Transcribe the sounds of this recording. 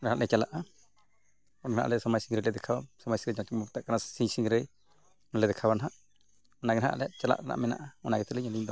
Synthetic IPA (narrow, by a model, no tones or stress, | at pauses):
naʔlɛt͡ʃalaʔa | ɔnha̰ʔlɛsɔmajsiŋɡɾɛlɛd̪ɛkʰawasɔmajsiɾɛd͡ʒakmɔt̪aʔkanasisiŋɾɛ | nlɛd̪ɛkʰabanɦaʔ | ɔnaɡɛnɦa̰ʔlɛjaʔt͡ʃala̰ʔkana̰ʔmɛna̰ʔaɔnaɡɛt̪ɛliɲɛliɲd̪ɔ